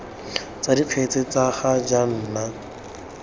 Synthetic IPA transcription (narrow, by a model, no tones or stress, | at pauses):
t͡sadipʰet͡sɪt͡saχad͡ʒan̩ːna